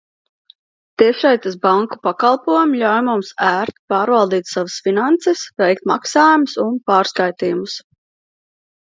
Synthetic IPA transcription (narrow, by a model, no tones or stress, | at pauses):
t̪iʃɛjt̪asbaŋku̥pakɑlˠpuɔjumʎʲawjmumsæːɾt̪pɑːɾvalˠd̪iːt̪ʲsavəsfinant̪sesvɛjkt̪ma̰ksaːjumʊsunpɑːɾskajt̪iːjumus